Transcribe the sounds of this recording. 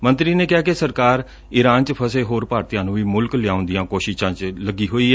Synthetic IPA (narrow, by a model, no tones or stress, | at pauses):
mənt̪ɾiːneːkɪaːkesəɾkaːɾ | ɪɾaːnt͡ʃpʰəseːɦoːɾpaːɾt̪ijãːnũːʋiːmʊlklɪjaːʊ̃nd̪ɪjãːkoːʃɪʃãːt͡ʃləɡiːɦoːiːɛː